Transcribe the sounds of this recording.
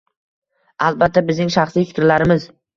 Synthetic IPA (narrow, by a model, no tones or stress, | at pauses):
alˠbat̪ʰːabɪznɪŋʃaχslijfɪkʲɾlaɾɪmɪz